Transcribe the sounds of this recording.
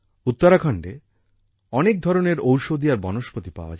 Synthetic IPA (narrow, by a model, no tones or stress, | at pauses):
ut̪ːoɾakʰɔɳɖe | ɔnek̚d̪ʱɔɾoneɾowʃod̪ijaɾbɔnoʃpot̪ipa̰oa̰d͡ʑ